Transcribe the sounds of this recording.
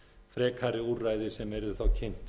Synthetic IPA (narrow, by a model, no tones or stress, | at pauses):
fɾɛːkʰaɾɪuraːjðɪsɛmɛɾðʏθawcʰejn̥t̪